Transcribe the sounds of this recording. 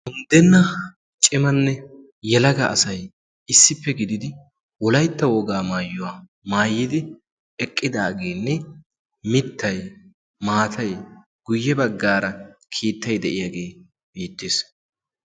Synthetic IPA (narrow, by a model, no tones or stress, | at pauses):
ʊnd̪ɛnːɐ | t͡ʃʼɪmɐnːɛ | jɛlɐɡɐʔɐsɐj | ɪsːɪpːɛɡɪd̪ɪd̪ɪ | wɔlɐjt̪ːɐwɔɡaːmaːjːʊwaː | maːjːɪd̪ɪ | ɛkʼːɪd̪aːɡe̞ːnːɛ | mɪt̪ːɐj | maːt̪ʰɐj | ɡ̥ʊjːɛbɐɡːaːɾɐkʰiːt̪ːɐjd̪ɛʔɪjaɡe̞ː | beːt̪ːeːs